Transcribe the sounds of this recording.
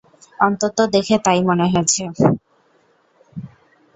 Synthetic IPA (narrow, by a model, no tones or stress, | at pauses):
ɔnt̪ot̪od̪ekʰet̪ajmoneɦojet͡ɕʰe